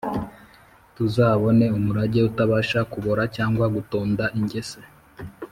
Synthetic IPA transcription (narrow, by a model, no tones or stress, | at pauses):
tuzaːβo̞ne̞umuɾaɟe̞utaβaːʃakuβo̞ɾacaːŋɡwaɡuto̞ːndaʔiɲɟe̞se